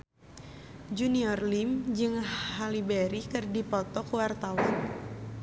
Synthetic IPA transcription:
d͡ʒuniɔrlimd͡ʒɨŋhalibeɾikɨrdipɔt̪ɔkuwart̪awan

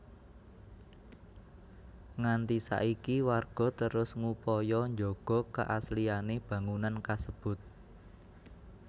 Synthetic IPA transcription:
ŋant̪isa̰ʔikiwarɡ̥ɔ̤t̪əɾʊsŋupɔjɔɲd͡ʒoɡ̥ɔ̤ka̰ʔaslianeb̥ä̤ŋunankasəb̥ʊ̤t̪̚

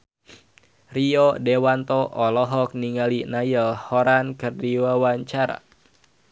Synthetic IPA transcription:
riɔdewant̪ɔʔɔlɔɦɔk̚niŋalinajəlhɔɾankərdiwawaɲt͡ʃaɾa̰

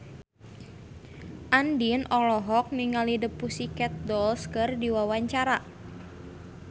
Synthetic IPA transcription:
ʔandinʔɔlɔɦɔk̚niŋalidəpusikɛt̪̚dɔlskərdiwawaɲt͡ʃaɾa

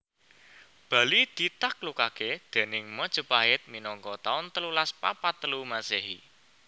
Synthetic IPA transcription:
b̥ä̤lid̪̥it̪ak̚lukaked̪̥e̤nɪŋməd̥ʒ̥ə̤paɪt̪̚minɔŋkɔt̪aʊnt̪əlulaspa̰pat̪ːəlumaseɦḭ

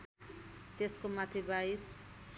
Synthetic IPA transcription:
t̪eskomat̪ʰibajs

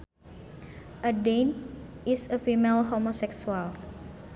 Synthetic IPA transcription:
ʔədenisəfimelɦomosɛksual

